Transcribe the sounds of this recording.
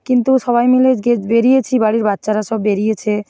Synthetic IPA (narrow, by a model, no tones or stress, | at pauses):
kint̪uʃɔβajmiled͡ʑɡed͡ʑbeɾijet͡ɕʰibaɽiɾbatːʃaɾaʃɔbːeɾijet͡ɕʰe